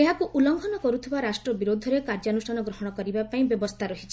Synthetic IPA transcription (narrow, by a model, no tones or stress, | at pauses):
eɦakuʔulɔŋɡʰʱɔnɔkɔɾut̪ʰibaɾasʈɾɔbiɾod̪ʱɔɾekaɾd͡ʒɔnusanɔɡɾɔɦɔɽ̃ɔkɔɾibapaĩbjɔbɔst̪ʰaɾɔɦit͡ʃʰi